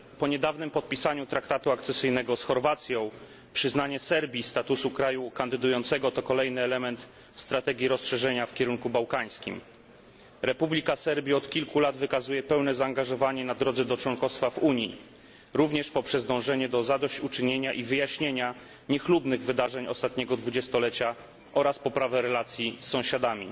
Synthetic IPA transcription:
pɔɲɛd̪avnɘmpɔt̪̚pʲisaɲut̪ɾakt̪at̪uakt̪sɛsɘjnɛɡɔsxɔɾvat̪sʲjɔ̃w̃ | pʂɘznaɲɛsɛɾbʲist̪at̪usukɾajukand̪ɘd̪ujɔnt̪sɛɡɔt̪ɔkɔlɛjnɘɛlɛmɛnt̪ | st̪ɾat̪ɛɡʲiɾɔsʂɛʐɛɲafkʲɛɾuŋkubawkaj̃skʲḭm | ɾɛpublʲikasɛɾbʲiɔt̪kʲilkulad̪vɘkazujɛpɛwnɛzaːŋɡaʐɔvaɲɛnad̪ɾɔd̪zɛd̪ɔt͡ʂwɔŋkɔst̪favuɲjḭ | ɾuvɲɛʂpɔpʂɛzd̪ɔ̃w̃ʐɛɲɛd̪ɔzad̪ɔɕt͡ɕut͡ʂɘɲeɲaʔivɘjaɕɲeɲa | ɲɛxlubnɘɣvɘd̪aʐɛɲɔ̰st̪at̪ɲɛɡɔd̪vud͡ʑɛst̪ɔlɛt͡ɕa | ʔɔɾaspɔpɾavɛɾɛlat̪sʲjisːɔ̃w̃ɕad̪amʲḭ

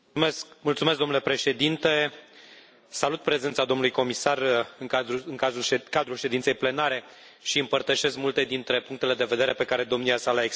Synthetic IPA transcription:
kmult̪sumes̬ɡd̪onule̞pɾe̞ʃe̞d̪int̪e̞ | salut̪̚pɾe̞zent̪sad̪o̞mnulujko̞misarɨŋaɨŋkazukad̪ɾulʃe̞d̪int̪se̞jple̞naɾe̞ | ʃiɨmpərt̪əʃe̞s̬kmult̪e̞d̪int̪ɾe̞puŋk̚t̪e̞le̞d̪e̞ve̞d̪e̞ɾe̞pe̞kaɾe̞d̪o̞mniasalaeks

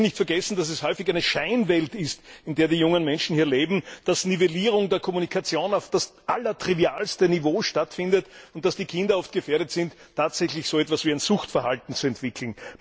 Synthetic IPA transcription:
nɪçtfɛɐɡɛsn̩d̥as̬ɛshɔʏfɪçæɪnəʃæɪnvɛltɪstɪndeːɐdiːjʊŋənmɛnʃn̩hiːɐleːbm̩d̥asniveliːʁ̞ʊŋdeːɐkʰɔmunikʰat͡sjoːnaʊfd̥asʔalɐtʁ̥iviaːlstənivoːʃtatfɪ̃ndətʊnt̚d̥asd̥iːkʰɪ̃ndɐɔft̚ɡ̥əfeːɐɾətsɪntʰːaːtsɛçlɪçsoːɛtvasviːæɪnzʊxtfɛɐhaltn̩t͡suɛntv̥ɪkʰl̩n̩

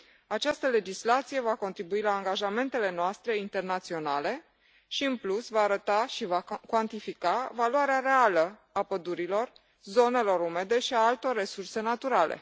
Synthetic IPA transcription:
at͡ʃast̪əle̞d͡ʒislat̪sije̞vako̞nt̪ɾibuilaːŋɡaʒame̞nt̪e̞le̞noast̪ɾe̞int̪e̞rnat̪sio̞nale̞ | ʃiɨnplusvaːɾət̪aʃivakwant̪ifikavaluwaɾeaɾe̞alə | apəd̪uɾilo̞r | zo̞ne̞lo̞ɾume̞d̪e̞ʃiaalt̪o̞rːe̞surse̞nat̪uɾalḛ

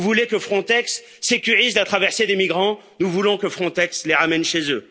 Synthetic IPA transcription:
vulekəfχɔ̃t̪ɛksː | ekʲyʁizlat̪χavɛʁsed̪emiɡʁɑ̃ | nuvulɔ̃kəfχɔ̃t̪ɛksleʁamɛnʃezø

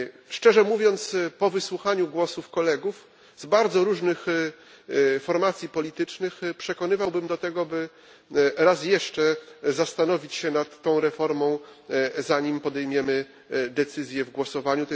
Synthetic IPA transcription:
ʂt͡ʂɛʐɛmuvʲjɔnt̪spɔvɘswuxaɲuɡwɔsufkɔlɛɡuf | zbaɾd̪zɔɾuʐnɘx | fɔɾmat̪sʲjipɔlʲit̪ɘt͡ʂnɘxpʂɛkɔnɘvawbɘmd̪ɔt̪ɛɡɔbɘ | ɾasjɛʂt͡ʂɛzast̪anɔvʲit͡ɕɕɛnat̪ːɔ̃w̃ɾɛfɔɾmɔ̃w̃zaɲimpɔd̪ɛjmʲjɛmɘ | d̪ɛt̪sɘzʲjɛvɡwɔsɔvaɲu

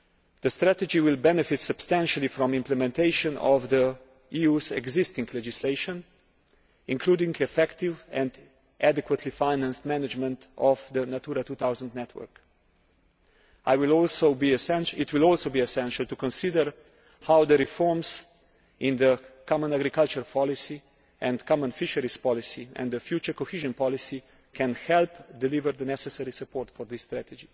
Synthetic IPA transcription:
ðəst̪ɾæt̪əd͡ʒiwɪlbɛnɛfɪtsəb̥st̪æ̃nʃəlifɾɔ̃mɪ̃mplɛmɛ̃nteɪʃə̃nɔ̰vðə | iuzɛ̰ɡzɪstɪ̃ŋkʰlɛd͡ʒɪsleɪʃə̃n | ɪ̃ŋkʰluːdɪ̃ŋɡɛfɛktɪvɛ̃nd | ʔædɛkwətʰlifaɪnæ̃nstmænɪd͡ʒmə̃ntɔvd̪ənat̪uɾatut̪aʊzə̃ndnɛtʰwə̰˞k | ajwɪlɔlsoʊbisɛ̃nʃit̪wɪlɔlsoʊbiɛsɛ̃nʃəlt̪ukɔ̃nsidəɾ | hawd̪əɾifɔɹms | ĩnd̪əkʰɔmə̃naɡɾikalt͡ʃəɾpʰɔlisi | ʔɛ̃nd̪kʰɔmə̃nfiʃəɾispɔlisiɛ̰̃nd̪d̪əfjuːt͡ʃəɾkoxiʒɔ̃npɔlisi | kʰɛ̃nxɛlpd̪ɛlivəɾd̪ənɛsɛsɛɾisəpɔːɾtfɔɾd̪isːt̪ɾæt̪ɛd͡ʒi

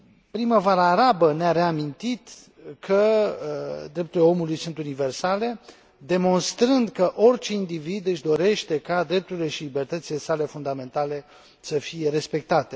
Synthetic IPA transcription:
pɾiməvaɾaːɾabəneaɾe̞amint̪it̪ | kʰə | d̪ɾe̞p̚t̪uɾleo̞mulujsunt̪unive̞rsale̞ | d̪e̞mo̞nst̪ɾɨnd̪kəʔo̞rʲt͡ʃe̞ind̪ivid̪ɨʃd̪o̞ɾe̞ʃt̪e̞kad̪ɾe̞p̚t̪uɾile̞ʃilibe̞rt̪ət̪sile̞sale̞fund̪ame̞nt̪ale̞ | səfije̞ɾe̞spe̞k̚t̪at̪e̞

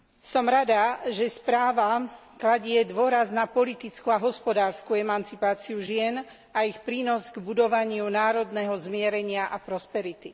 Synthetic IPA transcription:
sɔmɾad̪aʒɛspɾaːʋa | klaɟɪɛd̪ʊɔɾaznapɔlit̪it͡skuaɦɔspɔd̪aːɾskuɛmant͡sipaːt͡siuʒɪɛn | aixpɾiːnɔzɡbud̪ɔʋaɲɪunaːɾɔd̪nɛɦɔzmɪɛɾɛɲɪaʔapɾɔspɛɾit̪i

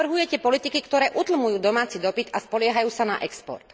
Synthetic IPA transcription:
ɾ̩ɦujɛcɛpɔlit̪ikikt̪ɔɾɛːʔut̪l̩mujuːd̪ɔmaːt͡sid̪ɔpit̪aspɔlɪɛɦajuːsanaʔɛkspɔ̰ɾt̪

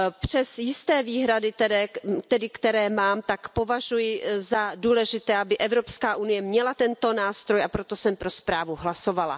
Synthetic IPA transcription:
pr̝̥ɛsjɪst̪ɛːviːɦɾadɪt̪ɛdɛt̪ɛdɪkt̪ɛɾɛːmaːmt̪akpo̞vaʒujɪzaduːlɛʒɪt̪ɛːʔabɪʔɛvɾo̞pskaːʔunɪjɛmɲɛlat̪ɛnt̪o̞naːst̪ɾo̞japɾo̞t̪o̞sɛmpɾo̞spɾaːvuɦlaso̞vala̰

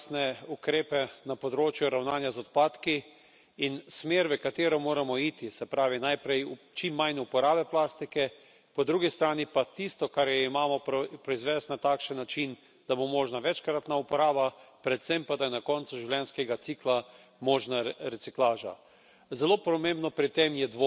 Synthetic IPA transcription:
snɛukɾeːpɛnapɔd̪ɾoːt͡ʃjuɾawnaːnjazɔt̪paːt̪kiː | nsmeːɾʋəkat̪eːɾɔmoːɾamɔiːt̪isɛpɾaːʋinajpɾɛjt͡ʃimːajnɛupɔɾaːbɛplaːst̪ikɛ | pɔd̪ɾuːɡist̪ɾaːnipat̪ist̪ɔkaɾjɛimaːmɔpɾpɾɔizʋɛːst̪nat̪aːkʃənːat͡ʃin | d̪̥abomɔːʒnaʋɛt͡ʃkɾat̪naupɔɾaːbapɾɛt̪sɛmpad̪ajɛnakɔnt̪suʒiwlʲɛnskɛɡat̪sikla | mɔːʒnaɾɛt̪siklaːʒa̰ | zɛloːpɾɔmẽmbnɔpɾit̪emjɛd̪ʋo

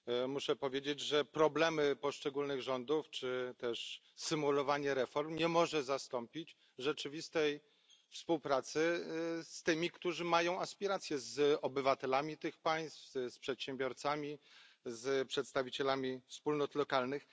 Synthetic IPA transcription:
muʂɛpɔvʲjed͡ʑed͡ʑʐɛpɾɔblɛmɘpɔʂt͡ʂɛɡulnɘɣʐɔnd̪uft͡ʂɘt̪ɛʂ | sɘmulɔvaɲɛɾɛfɔɾmɲɛmɔʐɛzast̪ɔmpʲit͡ɕ | ʐɛt͡ʂɘvʲist̪ɛj | fspuwpɾat̪sɘst̪ɘmʲikt̪uʐɘmajɔ̃w̃aspʲiɾat̪sʲjɛzɔbɘvat̪ɛlamʲit̪ɘxpaj̃st̪fspʂɛt̪ɕɛmbʲjɔɾt̪samʲizpʂɛt̪st̪avʲit͡ɕɛlamʲifspulnɔt̪lɔkalnɘx

